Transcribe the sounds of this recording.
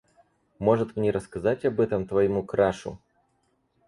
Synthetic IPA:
mo̞ʐɨt̪mnʲeɾəskɐzatʲɐbɛt̪əmt̪vɐjɪmukɾaʂʊ̰

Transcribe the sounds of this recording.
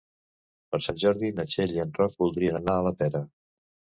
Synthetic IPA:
pəɾsanʲʒɔɾðinət͡ʃeʎiənt̪rɔk̚bulˠd̪ɾiənənaələt̪ɛɾə

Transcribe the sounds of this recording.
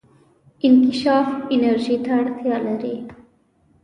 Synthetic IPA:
ɪnkɪʃɑːfɪnəɾʒit̪ʰaɽt̪ʰjɑlɐɾi

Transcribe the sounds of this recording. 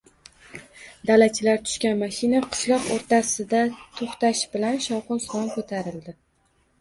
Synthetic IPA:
d̪alat͡ʃʰɪlaɾt̪ʰʊ̥ʃkʲanmaʃinaqʰɨ̥ʃlˠɒqoɾt̪ʰasɪd̪at̪ʰoχt̪aʃbɪlanʃɒwqʊnst̪ɒnkʰot̪ʰaɾɪld̪ɪ

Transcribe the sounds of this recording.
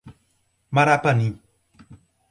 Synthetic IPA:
maɾapani

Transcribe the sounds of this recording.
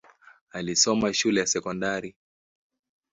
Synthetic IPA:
alisɔmaʃulɛjasɛkɔndaɾi

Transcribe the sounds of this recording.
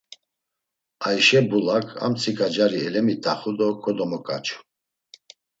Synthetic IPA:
aiʃɛbulakʰa̰mt͡sʰikʰʼad͡ʒaɾiɛlɛmit̪ʰʼaχud̪ɔkʰɔd̪ɔmɔkʼat͡ʃʰʼu̥

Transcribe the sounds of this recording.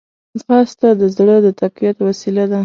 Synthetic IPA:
xɑst̪ad̪əzɽəd̪ət̪aqijat̪wasilad̪a

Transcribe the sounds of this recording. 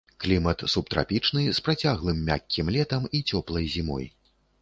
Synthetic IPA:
klʲimɐt̪supt̪ɾʔa̰pʲit͡ʂnɨspɾat͡sʲaɣlˠɨmːʲa̰kʲːimlʲɛt̪ɐmit͡sʲɔplˠɐjzʲimɔ̰j

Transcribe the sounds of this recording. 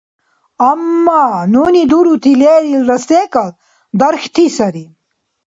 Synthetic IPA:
ɐmːaːnuːnid̪uɾut̪ʰileːɾilɾɐst̪ekɐl | d̪ɐɾxt̪ʰisɐɾi

